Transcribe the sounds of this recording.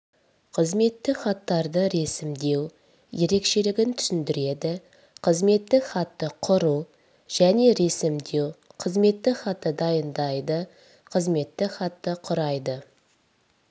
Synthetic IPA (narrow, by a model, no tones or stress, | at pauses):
qʰəzme̞t̪ːɪχɑt̪ːɑɾd̪əɾe̞sɪmd̪e̞w | je̞ɾe̞kʃe̞lɪɡʲɪnt̪ʰʏ̥sʏnd̪ɪɾe̞d̪ɪ | qʰəzme̞t̪ːɪχɑt̪ːəqʰʊɾu | ʒ̥æne̞ɾe̞sɪmd̪e̞wqʰəzme̞t̪ːɪχɑt̪ːəd̪ɑjənd̪ɑjd̪ə | qʰəzme̞t̪ːɪχɑt̪ːəqʰʊɾɑjd̪ə